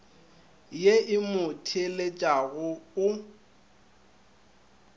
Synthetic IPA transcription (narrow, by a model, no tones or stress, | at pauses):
jeʔɪmʊtʰelet͡ʃʼaɣʊʊ